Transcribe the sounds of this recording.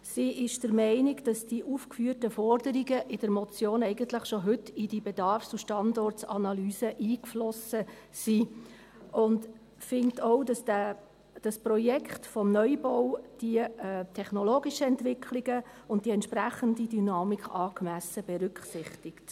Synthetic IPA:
siʔɪʃd̥əɾmɛɪniɡd̥ɑsd̥iʔuːfkfyːərtəfɔrdəɾiɡəʔɪd̥əɾmɔt͡sjoːnɛɪɡəntləχʃoɦʏtːɪd̥ibɛdɑrft͡suʃtɑndɔrtt͡sɑnɑlyːsəʔiːkflɔsəsi | ʔʊnt | fɪŋktʰɔʊdɑsdæ | d̥ɑsprɔjɛkχtfɔmnœʏbɔwd̥iətʰɛχnɔloːɡiʃəɛntʋɪkʰliɡə | ʊnt̚d̥iɛntʃpræχəndidynɑːmikʰɑːɡmæsəb̥ɛɾʉkχsɪχtɪkt

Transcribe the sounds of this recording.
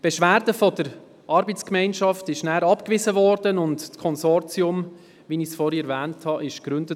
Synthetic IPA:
b̥ɛʃʋæːɾdəfɔd̥əɾ | ʔɑɾbət͡skmɛɪnʃɑftɪʃnæːɾɑpkʋɪzəʋɔːɾd̥ənʊntkʰɔnsɔɾt͡siʊm | ʋinisfɔɾəɛɾvæːnthɑʔɪʃɡ̥ɾʏndə

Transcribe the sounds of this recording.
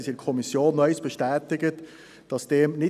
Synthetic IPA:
sɪkʰɔmisjoːnːœʏsb̥əʃtɛːtɪɡət | d̥ɑsd̥eːmnɪ

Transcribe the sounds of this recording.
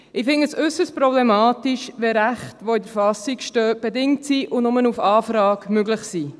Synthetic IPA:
ɪfɪŋəsʏsəstpɾɔblemɑːtiʃʋɛɾæχtʋoɪd̪əɾfɑsikʃtœːb̥edɪŋtsiːʔʊnʊmənufɑːfɾɑːkmøɡləχsiː

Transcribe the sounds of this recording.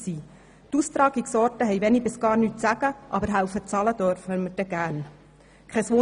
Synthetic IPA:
siː | t̪ust̪ɾɑːɡiksɔɾtəɦɛjʋɛnibɪsɡ̥ɑːɾnyːtsæɡ̥əʔɑbəɾɦæwfət͡sɑləd̥̪œɾfəməd̥ɛɡ̥æːn | kʰχɛsʋo

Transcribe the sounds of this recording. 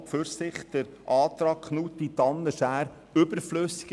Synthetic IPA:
pfʏɾsɪχt̪ɛɾʔɑːt̪ɾɑːkχnut̪ːit̪ɑnːəʃæːɾ | ʏbəɾfløsi̥ɡ̥

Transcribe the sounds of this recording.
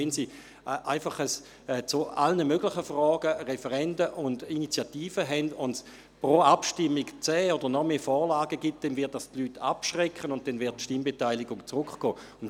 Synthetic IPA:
ɛnsi | ʔaɪfaχəs | ɛt͡sʊalnəmøɡ̥lɪχəfʁɔːɡəʁɛfɛʁɛndəʔʊndinit͡sjatiːfəɦɛndʊnds | pʁoapʃtɪmːɪkt͡sɛːod̥əʁnɔmeːfɔːʁlaːɡəɡit̚d̥ɛnvɪɐt̚dastlyːtʰa̰pʃʁɛkχənʊnt̚d̥ɛnvɪɐt̚ːʃtimbetaɪlɪɡʊŋt͡sʁʊkχɡ̥ɔː | ʊn

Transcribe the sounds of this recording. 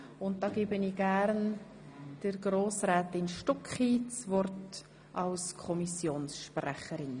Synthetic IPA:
ʊnt̚d̥ɑːɡ̥eːbəniɡ̥æɾn | d̥əɾɡroːsrɛːtɪnʃtɔkχiːt͡svɔrt | ʔɑlskʰɔmisjoːnsʃprɛχəɾɪn

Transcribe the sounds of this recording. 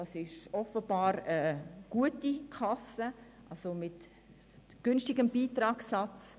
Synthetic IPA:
ɑsɪʃɔfəbɑːɾəɡ̥uətikʰɑsə | ʔɑlsomɪt | ɡ̥ʏnstɪɡəmbiːtɾɑːksɑt͡s

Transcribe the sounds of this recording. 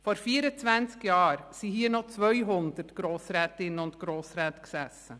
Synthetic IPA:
fɔɾfiːəɾət͡svænt͡skjɑːɾsihiːənɔt͡svœʏɦʊndəɾtɡ̥ɾoːsɾɛːtɪnəʊndɡ̥ɾoːsɾɛːtksɛsə

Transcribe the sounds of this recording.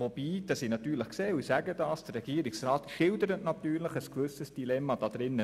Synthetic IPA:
ʋob̥iːd̥ɑsinɑtyːɾləχkseːusæɡədɑːsd̥ərɾɛɡ̥iːɾiksɾɑːtʃɪldəɾətnɑt̪yːɾləχəskʋɵsəsd̥ilɛmːɑd̥ɑd̪ɾɪnːə

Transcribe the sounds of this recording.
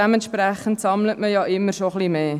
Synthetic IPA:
ɛməntʃpɾæχəntsɑmlətməjɑːʔɪmːəɾʃoχlimeː

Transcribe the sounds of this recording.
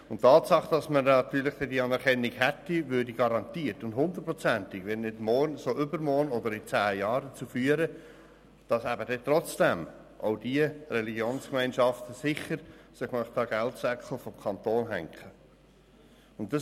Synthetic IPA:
ʊntːɑːtsɑχd̥ɑsmənɑt̪yːɾlɪχd̥ɛdiɑnɛɾkʰɛnːiɡhɛtːiʋʏːdiɡ̥ɑɾɑntiːətʊndhʊnd̪ər̚pɾɔt͡sænt̪ɪɡʋɛnːɪdmɔːɾnsoːʔʏbəɾmɔɾnɔdəɾɪt͡sæːjɑːɾət͡sufyːəɾə | d̥ɑsæbədɛt̪ɾɔt͡sd̥ɛm | ʔa̰ʊd̥iərɛliɡjoːnskmæɪnʃɑftəsɪχəɾsɪχmœχtɑɡ̥æltsɛkl̩fɔmkʰɑntoːnɦæ̰ŋkʰχə | ʊntːɑs

